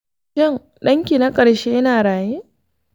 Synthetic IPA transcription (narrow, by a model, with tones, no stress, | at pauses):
ɐ˦˨ŋ | ɗɐ˦ŋkʲiː˨na˦kʼɐ˨ɽʃe˦jɐ˦naː˨ɽaː˨jeː˦